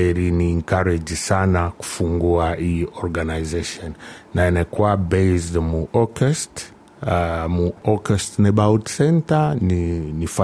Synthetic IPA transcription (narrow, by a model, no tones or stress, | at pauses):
ɛɾiniːŋkaɾɛd͡ʒisanaku̥fuŋɡuaʔiɔɾɡanajzeʃɔnːaɛnɛkuabɛjsdmuʔɔkɛst | muɔkɛstnɛbawtsɛntaninifa